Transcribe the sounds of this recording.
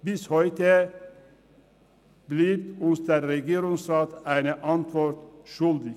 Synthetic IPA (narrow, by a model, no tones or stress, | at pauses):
bɪshœʏt̪ə | bliːɾʊnst̪əɾɾɛɡeːɾʊŋsɾɑːt̪æɪnəʔɑnt̪ʰʋɔɾt̪ʃʉld̪ɪ